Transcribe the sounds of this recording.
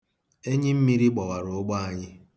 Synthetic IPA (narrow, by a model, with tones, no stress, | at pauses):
e˦ɲɪ˦m̩˦mi˦ɾi˦ɡ͡bɔ˨wa˨ɾo˨˦ɡ͡ba˦a˨ɲɪ˦